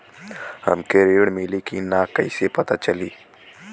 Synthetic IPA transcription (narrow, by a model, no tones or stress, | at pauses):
hə̰mkeɾeːɽmɪːlikinakɐisepɐt̪at͡ʃəliː